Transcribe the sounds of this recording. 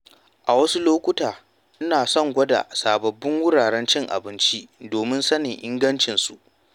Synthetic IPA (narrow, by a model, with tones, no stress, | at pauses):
ʔa˨wɐ˦su˦loː˦kʷʊ˦taː˨ | ʔɪ˦naː˨sɔ˦˨ŋɡʷɐ˦da̰˨saː˨bɐ˨bːɪ˦ŋwʊ˦ɽaː˨ɽɛ˦nt͡ʃɪ˦ŋʔa̰˨bɪ˦nt͡ʃi˦doː˨mɪ˦nsɐ˦nɪ˨ŋʔɪ˦ŋɡɐ˦nt͡ʃɪ˨nsu˦ʔ